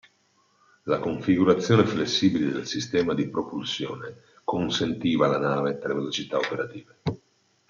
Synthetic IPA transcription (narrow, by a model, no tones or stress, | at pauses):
lakoɱfiɡuɾat̪sːjoːneflesːiːbiled̪elsist̪ɛːmad̪ipɾopulsjoːne | konsent̪iːvalanaːvet̪elːevelot͡ʃit̪aopeɾat̪iːve